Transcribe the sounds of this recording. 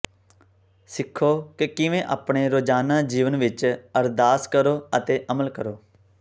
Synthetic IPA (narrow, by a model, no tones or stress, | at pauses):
sɪkʰːoːkekɪʋẽːʔa̰ːpɳeːɾoːd͡ʒaːnaːd͡ʒiːʋənʋɪt͡ʃəɾd̪aːskəɾoːət̪eːʔəməlkəɾoː